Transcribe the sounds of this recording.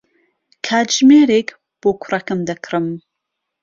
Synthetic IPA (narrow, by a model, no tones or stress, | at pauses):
kʰaːd͡ʒmeːɾek | b̥okʷʰʊrɐkɨmd̪ɐkʰrɨm